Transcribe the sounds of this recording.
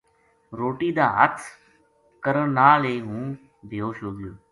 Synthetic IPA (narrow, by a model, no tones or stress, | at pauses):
ɾoːʈiːd̪aːɦət̪ʰ | kəɾəɳnaːleːɦũː | bʱɪjoːʃoːɡɪjoː